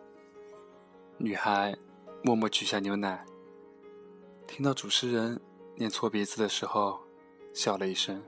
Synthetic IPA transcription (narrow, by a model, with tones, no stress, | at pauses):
ny˨˩xa˧˥ɪ | mwɔ˥˧mwɔ˥˩t͡ɕy˨˩ɕja˥˩njo˧˥ʊna˨˩˦ɪ | t̪ʰi˥ŋt̪ɑ˥˩ʊʈ͡ʂu˨˩ʂʰɻ̩˧˥ɻə˧˥n | njɛ˥˧nt͡sʰwɔ˥˩pjɛ˧˥t͡sɹ̩˨˩d̪ə˩ʂɻ̩˧˥xo˥˧ʊ | ɕjɑ˨˩ʊlə˦i˥˩ʂə˥ŋ